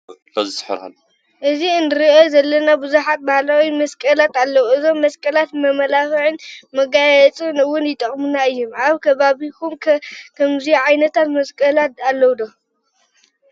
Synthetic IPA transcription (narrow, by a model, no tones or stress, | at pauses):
bɐzħɨ̰ɾha̰l | ʔɨziɨnɨɾiʔozɐlːɐnabɨzuħat̪̚bahlawimɐskʼɐlat̪alːɐwuɨzo̞mːɐskʼɐlat̪mɐmɐlafʕɨnmɐɡajɛt͡sʼɨnɨwʊnjɪt̪ʼɐχʼmunaɨjːumʔaβkʰɐβaβikʰumkʰɐmzijʕajnɐt̪ʰat̪mɐskʼɐlat̪alːɐwud̪o